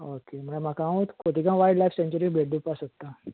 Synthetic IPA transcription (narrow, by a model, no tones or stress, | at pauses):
okem̤əɽam̤akaũt̪koʈ̪ikãʋajɖlajfsẽɲt͡ɕəɾibʱeɽd̪upasək̚t̪ːa